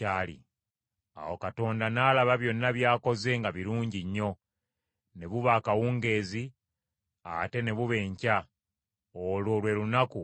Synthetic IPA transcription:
alḭ | a̰wo̞kato̞ːndanaːlaβaβjo̞nːaβjaːko̞ze̞ːŋɡaβiɾuːɲɟiɲːo̞ | ne̞βuβaːkawuːŋɡe̞ːzi | a̰te̞ne̞βuβe̞ːɲca | oloːlwe̞lunaku

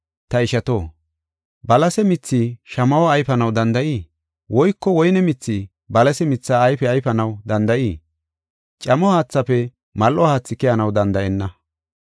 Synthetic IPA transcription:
t̪ɐɪʃɐt̪oː | bɐlɐsɛmɪt͡sːiːʃɐmɐwɔɐjfɐnɐwd̪ɐnd̪ɐʔiː | wɔjkːɔwɔjnɛmɪt͡sːiː | bɐlɐsɛmɪt͡sːaːjfɛɐjfɐnɐwd̪ɐnd̪ɐʔiː | t͡ʃʼɐmɔhaːt͡sːɐpɛ | mɐlʔɔhaːt͡sːɪkɪjɐnɐwd̪ɐnd̪ɐʔɛnːɐ

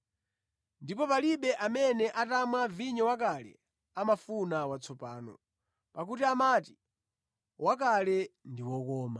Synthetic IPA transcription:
ndipɔpaliɓɛʔamɛnɛʔatamwaviɲɔwak̬alɛ̰ | amafunawat͡sʰɔpaːnɔ̰ | pak̬utiamati̥ | wakalɛndiwɔk̬ɔːma

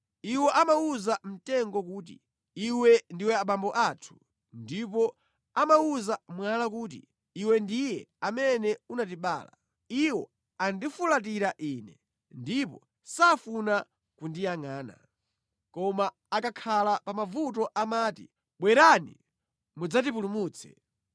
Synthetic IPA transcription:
iwɔʔamauzam̩tɛŋɡɔkuːt̬ḭ | iwɛndiwɛaɓambɔʔaːtʰu̥ | ndipɔ | amauzamwalakuːt̬ḭ | iwɛndijɛamɛnɛunatiɓa̰ːla̰ | iwɔ | andifulat̬iɾaʔiːnɛ | ndipɔ | safuna | kundijaŋaːna̰ | kɔmaː | kakʰalapamavut̬ɔʔamaːti | ɓwɛɾanḭ | mud͡zat̬ip̬ulumuːt͡sʰɛ̥̰

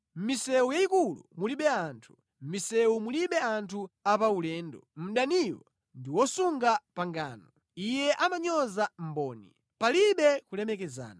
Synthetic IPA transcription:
m̩misɛujaikulṵmuliɓɛaːntʰu̥ | m̩misɛumuliɓɛantʰuapaulɛːndɔm̩ɗaniwɔ | ndiwɔsuŋɡapaŋɡa̰ːnɔ | ijɛʔamaɲɔzam̩bɔːnḭ | paliɓɛkulɛmɛkɛza̰ːna

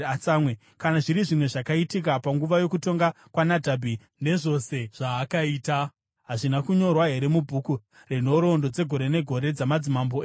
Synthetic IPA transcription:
at͡samwe | kanaʐiɾiʐimwe̞ʐakaitik̬apaŋɡuʋajo̞kuto̞ŋɡa | kwanadʱabʱi | ne̞ʐo̞se̞ʐ̥aːkaiːta | ɦaʐinakuɲo̞rwaɦe̞ɾe̞mubʱuku | reno̞ɾo̞ndo̞d͡ze̞ɡʱo̞ɾe̞ne̞ɡʱo̞ɾe̞d͡zamad͡zimamboe

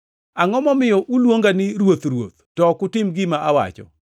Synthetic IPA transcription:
aŋɔmɔmɪjɔʔulwoŋɡanɪɾwot̪ɾwo̰t̪̚tɔkʊtɪmɡɪmaʔawa̰t͡ʃɔ̰

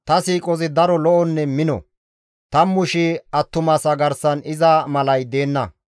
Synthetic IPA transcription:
t̪ɐsiːkʼɔzɪd̪ɐɾɔlɔʔɔnːɛmɪnɔ̰ | t̪ɐmːʊʃɪɐt̪ːʊmɐsɐɡɐɾsɐnɪzɐmɐlɐjd̪e̞ːnːɐ

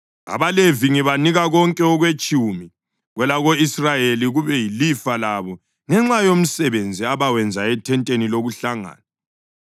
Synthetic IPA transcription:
a̰βaleviŋiβaniɣaɣɔŋkʼɛɔɣwet͡ʃʼuːmi | ɣwɛlaɣoisrajeliɣuβɛjilifalaβɔ | ŋɛŋ͡ǁajom̩sɛβend͡zʱiaβawɛnd͡zʱaɛtʰɛntʼeniloɣuɬaŋa̰ːna

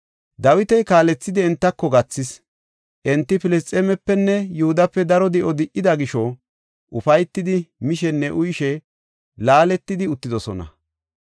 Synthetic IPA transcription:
d̪ɐwɪt̪ɛjkaːlɛt͡sːɪd̪ɪɛnt̪ːɐkːɔɡɐt͡sːɪs | ʔɛnt̪ːɪpɪlɛst͡sʼɛmɛpːɛnːɛjʊhʊd̪ɐpːɛd̪ɐɾɔd̪ɛʔɔd̪ɪʔːɪd̪ɐɡɪʃɔ | ʔʊfɐjt̪ːɪd̪ɪmɪʃɛnːɛʔʊjʃɛ | laːlɛt̪ːɪd̪ɪʊt̪ːɪd̪ɔsɔnɐ̰

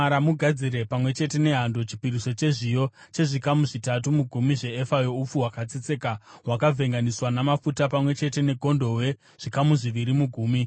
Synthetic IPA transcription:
aɾamuɡʱad͡ziɾe̞pamwe̞t͡ʃe̞te̞ne̞ɦando̞t͡ʃi̥piɾiso̞t͡ʃe̞ʐijo̞ | t͡ʃe̞ʐikamuʐitatumuɡʱumiʐe̞ːfajo̞up͡fuwakat͡sit͡sekaɦwakavʱe̞ŋɡaniswanamafutapamwe̞t͡ʃe̞te̞ne̞ɡʱo̞ndo̞we̞ | ʐ̥ikamuʐiʋiɾimuɡʱuːmi

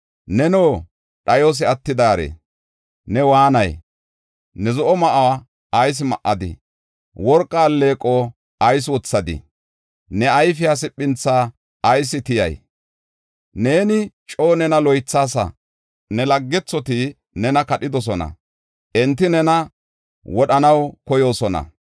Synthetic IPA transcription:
nɛnoː | ɗɐjos̬ɪɐt̪ːɪd̪aːɾḛ | nɛwaːnɐj | nɛzɔʔɔmɐʔa | ɐjs̬ɪmɐʔɐd̪ɪ̰ | wɔɾkʼːaːlːe̞ːkʼo | ɐjs̬wɔt͡sːɐd̪ɪ̰ | nɛɐjfɪjaːs̬ɪpʼːɪnt͡sːaː | ɐjs̬ɪt̪ɪjɐ̰j | ne̞ːnɪt͡ʃʼo̞ːnɛnɐlɔjt͡sːaːsɐ̰ | nɛlɐɡːɛt͡sːɔt̪ɪ | nɛnɐkɐɗɪd̪ɔs̬ɔnɐ̰ | ʔɛnt̪ːɪnɛnɐ | wɔɗɐnɐwkɔjo̞ːsɔnɐ̰

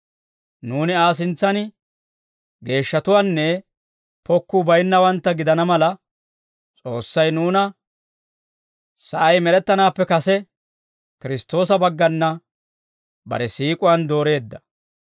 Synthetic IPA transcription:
nuːnɪaːs̬ɪnt͡sːɐn | ɡe̞ːʃːɐt̪ʊwaːnːɛ | pɔkːubɐjnːɐwɐnt̪ːɐɡɪd̪ɐnɐmɐlɐ | t͡sʼo̞ːsːɐjnuːnɐ | sɐʔɐjmɛɾɛt̪ːɐnaːpːɛkɐsɛ | kɪɾɪst̪o̞ːsɐbɐɡːɐnːɐ | bɐ̰ɾɛsiːkʼʊwɐnd̪o̞ːɾe̞ːd̪ːɐ̥

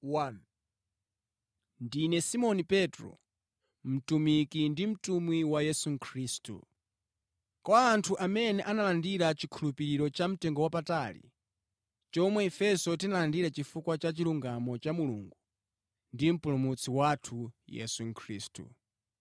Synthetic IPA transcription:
wan | ndinɛsimɔnipɛtɾɔ̰ | m̩tumikindim̩tumwiwajɛsuŋkʰɾistṵ | kwaaːntʰuʔamɛnɛʔanalandiɾat͡ʃikʰulupiɾiɾɔt͡ʃam̩tɛŋɡɔwapatalḭ | t͡ʃɔmwɛɛfɛsɔtinalandiɾat͡ʃifukwat͡ʃat͡ʃiluŋɡamɔt͡ʃamuluŋɡu | ndim̩pulumut͡sʰiwatʰujɛ̰suŋ̩kʰɾḭːstṵ

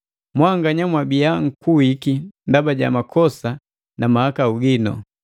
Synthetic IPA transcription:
mwaŋɡaɲamwabijaŋ̩kuikindabaɟa̰makʰɔsa | namahakauɡinɔ̰

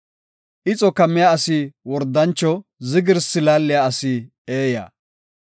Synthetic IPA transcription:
ʔɪt͡sʼɔkɐmːɪjaɐsiwɔɾd̪ːɐnt͡ʃːɔzɪɡɪɾsɪlaːlːɪjaɐsi | e̞ːja̰ː

